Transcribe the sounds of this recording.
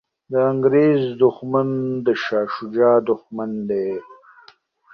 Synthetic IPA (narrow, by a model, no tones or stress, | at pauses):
d̪əaŋɡɾeːzd̪ʊxmand̪əʃɑːʃʊd͡ʒɑːd̪ʊxmand̪e